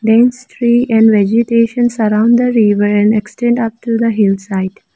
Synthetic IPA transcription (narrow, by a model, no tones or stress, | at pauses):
ɖæ̃nst̪ʰɾiːʔɛ̃ɳɖʋɛd͡ʒɪʈeːʃə̃nsəɾãʊ̃nɖd̪əɾiʋəɾɛ̃nɖeksʈɛ̃ɳɖʌp̚ʈud̪əɦɪlsaɪʈ